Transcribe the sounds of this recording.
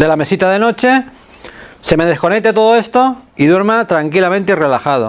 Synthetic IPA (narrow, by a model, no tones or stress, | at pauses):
d̪e̞lame̞sit̪aðeno̞t͡ʃe̞ | se̞me̞ð̞e̞skone̞k̚t̪et̪o̞ð̞oe̞st̪oiðwe̞ɾmat̪ɾaŋkilamẽnt̪eire̞laxað̞o